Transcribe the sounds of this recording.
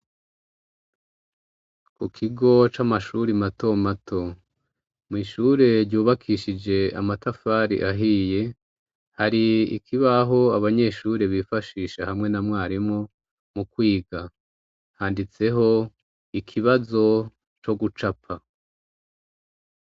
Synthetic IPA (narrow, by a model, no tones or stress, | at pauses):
kukʰiɡo̞t͡ʃamaʃuɾimato̞matʰo̞ | mŋiːʃuɾe̞ɾɟuːβakʰiʃid͡ʒe̞a̰matafaɾḭʔaɦiːje̞ | haɾiḭkʰiβaɦo̞aβaɲe̞ʃuːɾe̞βifaʃiːʃahamŋe̞namŋaːɾimŋo | mukwiːɡa | haːndit͡se̞ɦo̞ | ikʰiβazo̞ | t͡ʃo̞ɡut͡ʃapʰa